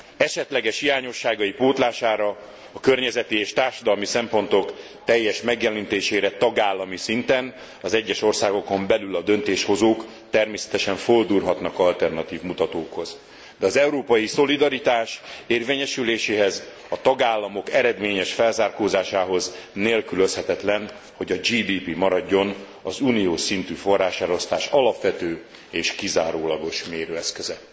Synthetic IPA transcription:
ɛʃɛt̪lɛɡɛʃhijaːɲo̞ʃːaːɡɒjipoːt̪laːʃaːɾɒː | kø̞rɲɛzɛt̪ieːʃt̪aːrʃɒd̪ɒlmisɛmpo̞n̪t̪o̞k | t̪ɛjːɛʃmɛɡjɛlɛnt̪eːʃeːɾɛt̪ɒɡaːlːɒmisint̪ɛn | ɒzɛɟːɛʃo̞rsaːɡo̞ko̞mbɛlylɒd̪ønt̪eːʃho̞zoːk | t̪ɛrmeːsɛ̥t̪ɛʃɛɱfold̪uːrɦɒt̪nɒkɒlt̪ɛrnɒt̪iːvmut̪ɒt̪oːkho̞z | d̪ɛɒzɛuɾoːpɒjiso̞lid̪ɒɾit̪aːʃeːrveːɲɛʃyleːʃeːɦɛz | ɒt̪ɒɡaːlːɒmo̞kɛɾɛd̪meːɲɛʃfɛlzaːrkoːzaːʃaːɦo̞zneːlkyløshɛt̪ɛt̪lɛn | ho̞ɟɒd͡ʒiːd̪iːpimɒɾɒɟːo̞n | ɒzunijoːʃsint̪yːfo̞rːaːʃɛɾo̞st̪aːʃɒlɒpʋɛt̪øː | eːʃkizaːɾoːlɒɡo̞ʃmeːɾøːɛskøzɛ

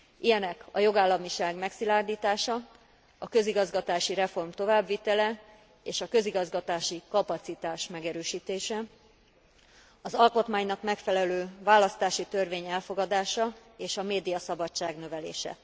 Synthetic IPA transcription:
ʔijɛnɛkɒjo̞ɡaːlːɒmiʃaːɡmɛksilaːrd̪iːt̪aːʃɒ | ɒkø̞ziɡɒzɡɒt̪aːʃiɾɛfo̞rmt̪o̞vaːbʋit̪ɛlɛ | eːʃɒkø̞ziɡɒzɡɒt̪aːʃikɒpɒt̪sit̪aːʃmɛɡɛɾøːʃiːt̪eːʃɛ | ɒzɒlko̞t̪maːɲnɒkmɛkfɛlɛløːvaːlɒst̪aːʃit̪ørveːɲɛlfo̞ɡɒd̪aːʃɒeːʃɒmeːd̪ijɒsɒbɒt͡ʃːaːɡnø̞vɛlḛːʃɛ̰

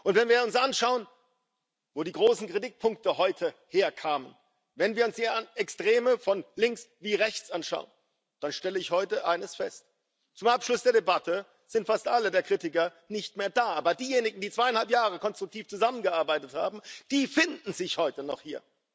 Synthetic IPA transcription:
ʔʊntv̥ɛnviːɐʊnsʔanʃaʊən | voːdiːɡʁoːsn̩kʁ̥idɪt̚pʰʊŋktəhɔʏtʰəheːɐkʰaːmən | vɛnviːɐʊnsd̥iːanɛkstʁ̥eːməfɔnlɪŋksviːʁɛçt͡sʔanʃa̰ʊən | d̥anʃtɛləɪçhɔʏtəʔaɪnəsfɛst | t͡sʊmʔapʃlʊsd̥eːɐɾebatʰə | z̥ɪntfastʔalədeːɐkʁ̥iːtɪkɐ | nɪçtmeːɐdaːʔaːbɐdiːjeːnɪɡŋ̩diːt͡sv̥aɪanhalpjaːʁəkɔnstʁ̥ʊk̚tʰiːft͡suzamənɡəʔaɐbaɪtətha̰ːbm̩d̥iːfɪndn̩zɪçhɔʏtənɔχhiːɐ

